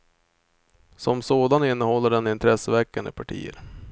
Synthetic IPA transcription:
sɔmsoːd̪anɪnːəhɔlːəɖɛnɪnt̪ʰɾɛsːəvɛkːand̪əpʰaʈʰḭːə̰ɾ

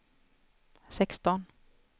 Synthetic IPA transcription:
sɛkst̪ɔn

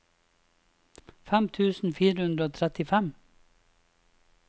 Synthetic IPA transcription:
fæmt̪ʰʉːsn̩fiːɾəhʉnd̪ɾəoːt̪ʰɾɛt̪ɪfɛm

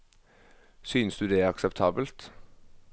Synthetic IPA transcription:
syːnəsd̪ʉːd̪ɛːæɾɑksɛpt̪ʰɑːbəlt̪

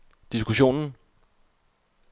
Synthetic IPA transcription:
d̥isɡ̥uɕo̝̰ːnn̩

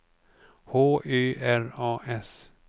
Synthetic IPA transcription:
hoːyːʔæɾɑːʔɛs

